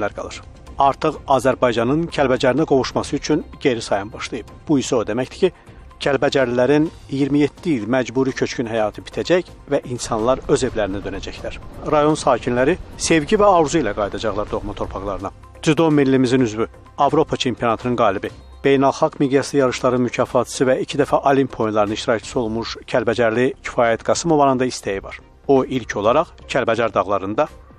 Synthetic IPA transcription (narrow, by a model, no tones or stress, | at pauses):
læɾɡɑ̰lˠɯɾ̥ | ɑɾt̪ʰɯʁɑːzæɾbɑjd͡ʒɑnɯncʰælbæd͡ʒæɾinæɡo̞vuʃmɑsɯyt͡ʃʰynɟe̞ɾisɑjɑnbɑʃlˠɑjɯb̥̚b̥uisod̪e̞mæctd̪i̥cʰi | cʰælbæd͡ʒæɾlilæɾin | ijiɾmijet̪ʰːiilmæd͡ʒbuːɾicʰø̞t͡ʃcʰynɦæjɑːt̪ʰɯbi̥t̪ʰæd͡ʒæç | væʔinsɑnlˠɑɾø̞ze̞vlæɾinæd̪ø̞næd͡ʒæçlæɾ̥ɾɑjo̞nsɑːcʰinlæɾise̞vɟivæɑvɾuzuilæɡɑjd̪ɑd͡ʒɑʁlˠɑɾd̪o̞ʁmɑt̪ʰo̞ɾpʰɑʁlˠɑɾɯnɑ | d̪̥yd̪o̞milːimizinyzvy | ɑvɾo̞pʰɑt͡ʃʰe̞mpʰijo̞nɑt̪ʰɯnɯnɡɑːlibi | b̥e̞jnælˠxɑɡmid̪jɑsɯjɑɾɯʃlˠɑɾɯnmycʰɑːfɑt̪ʰɯ̥sɯvæicʰid̪æfæʔɑlimpʰːojinlˠɑɾnɯiʃt̪iɾɑct͡ʃʰɯ̥sɯo̞lˠmuʃcʰælbæd͡ʒæɾlicʰi̥fɑːjæt̪ɡɑsɯmo̞vɑɾɯnd̪ɑist̪æjivɑ̰ɾ̥ | oilcʰo̞lˠɑɾɑχcʰælbæd͡ʒɑɾd̪ɑɣlˠɑɾɯnd̪ɑ